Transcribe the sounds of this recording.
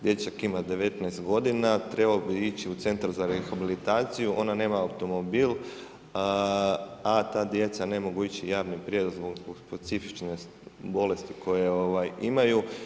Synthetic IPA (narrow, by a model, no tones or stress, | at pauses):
d̪je̞t͡ʃakimad̪e̞ʋe̞t̪nɛest̪ɡo̞d̪inat̪ɾe̞balobiit͡ɕiut̪se̞nt̪aɾzaɾexabilit̪aːt̪sijuʔo̞nane̞ːmaawt̪o̞mo̞biːl | at̪aːd̪je̞t̪sane̞mo̞ɡuit͡ɕijaːʋnipɾje̞d̪ozboɡboɡspet̪sifit͡ʃne | bo̞le̞st̪ikʰo̞jeo̞ʋajimaju